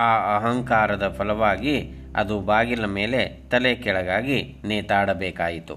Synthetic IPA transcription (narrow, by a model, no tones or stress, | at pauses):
aːɐɦɐŋkaːɾɐd̪ɐpʰɐlɐʋaːɡi | ɐ̰d̪ubaːɡilɐmeːle̞t̪ɐlekɛɭɐɡaːɡineːt̪aːɽɐbeːkaːjit̪ṵ